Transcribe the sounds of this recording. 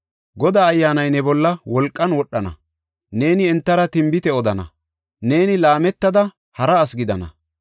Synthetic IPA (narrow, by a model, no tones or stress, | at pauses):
ɡɔd̪aːjːaːnɐjnɛbɔlːɐwɔlkʼːɐnwɔɗːɐnɐ̰ | ne̞ːnɪɛnt̪ːɐɾɐt̪ɪmbɪt̪ɛɔd̪ɐnɐ̰ | ne̞ːnɪlaːmɛt̪ːɐd̪ɐ | hɐɾɐːsɡɪd̪ɐnɐ̰